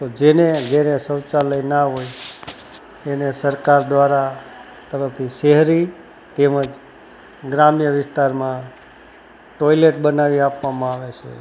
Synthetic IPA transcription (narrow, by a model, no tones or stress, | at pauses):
t̪od͡ʒened͡ʒeɾesəwt͡ʃaləjnaɦoj | enesəɾkaɾd̪ʋaɾa | t̪əɾəf̚t̪ʰiʃeɦɾi | t̪eməd͡ʒ | ɡɾamjəʋɪst̪aɾmã | ʈoileʈ̚bənaʋiapʋamãaʋet͡ʃʰḛ